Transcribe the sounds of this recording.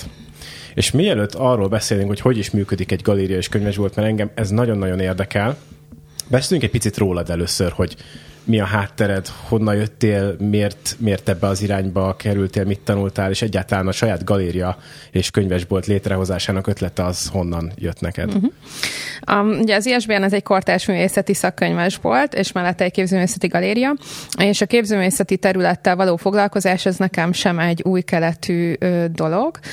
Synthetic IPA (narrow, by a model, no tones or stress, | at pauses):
ḛːʃmiɛløt̪ʰːɒrːoːlbɛseːlyŋkho̞cho̞ɟiʃmyːkød̪ikɛɟɡɒleːɾijɒeːʃkøɲvɛʒbolt̪mɛɾɛŋɡɛmɛznɒɟo̞nːɒɟo̞neːrd̪ɛkɛl | bɛseːlyŋkɛc̚pit̪sit̪roːlɒd̪ɛløːsørho̞ɟmiɒɦaːt̪ːɛɾɛd̪ho̞nːɒjøt̪ːeːlmeːrt̪meːrt̪ɛbːɛɒziɾaːɲbɒkʰɛɾylt̪eːlmit̪ːɒnult̪aːleːʃɛɟːaːlt̪ɒlaːnɒʃɒjaːd̪ɡɒleːɾijɒ | eːʃkøɲvɛʒbolt̪leːt̪rɛɦo̞zaːʃaːnɒkø̞t̪lɛt̪ɛɒz̥ho̞nːɒnjø̰t̪nɛkɛ̰d̪̩ɦ̩ | ɒuɟɛɒziɛʒbeːɛnɛzɛɟko̞rt̪aːʃmyːveːsɛt̪isɒkːøɲvɛʒbo̞̰lt̪eːʃmɛlːɛt̪ːɛc̚keːbzøːmeːsɛt̪iɡɒleːɾijɒeːʃɒkeːbzøːmeːsɛt̪it̪ɛɾylɛt̪ːɛlvɒloːfo̞ɡlɒlko̞zaːʃɛznɛkɛmʃɛmɛɟːuːjkɛlɛt̪ʰyːøːd̪o̞lo̞ɡ̥